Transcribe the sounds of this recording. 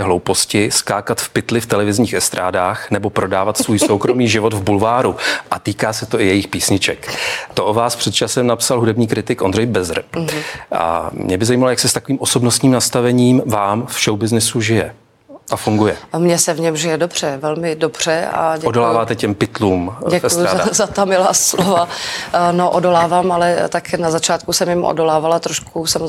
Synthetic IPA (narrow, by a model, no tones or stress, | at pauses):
ɛɦlo̞wpo̞scɪskaːkat̪fpɪt̪lɪft̪ɛlɛvɪzɲiːxɛst̪ɾaːdaːxnɛbo̞pɾʔo̞daːvat̪svuːjsowkɾo̞miːʒɪvo̞d̪vbulvaːɾuʔat̪iːkaːsɛt̪o̞ʔɪjɛjɪxpiːsɲɪt͡ʃɛkt̪o̞ʔovaːspr̥ɛt̪̚t͡ʃasɛmnapsalɦudɛbɲiːkɾɪt̪ɪkʔondrɛjbɛzr | ʔa̰mɲɛbɪzajimalojaksɛst̪akoviːmo̞sobnost̪ɲiːmnast̪avɛɲiːmvaːmfʃowbɪznɪsuʒɪjɛ̰ | ʔafuŋɡujɛmɲɛsɛvɲɛmʒɪjɛdobr̝̥ɛvɛlmɪdobr̥ɛa̰ɟɛodolaːvaːt̪ɛcɛmpɪt̪luːmɛfujzazat̪amɪlaːslova | noʔodolaːvaːmalɛt̪aknazat͡ʃaːt̪̚kusɛmjɪmʔo̰dolaːvalat̪ɾoʃkʰusamo